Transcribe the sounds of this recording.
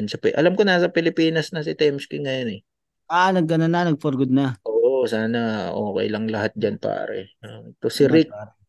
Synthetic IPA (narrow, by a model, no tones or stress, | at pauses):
nsɐpɪʔɐ̰lamkonasɐpɪlɪpiːnɐsnɐsɪt̪ɛmskɪŋɐjonɛ | ʔanɐɡ̚ːɐnɐnːɐnɐɡ̚foɾɡʊd̪̚nɐʔoːʔosaːnɐʔoːkɛ̰jlɐŋlɐhat̪̚d͡ʒanpa̰ːɾɛ̰at̪osɪɾik̚aɾ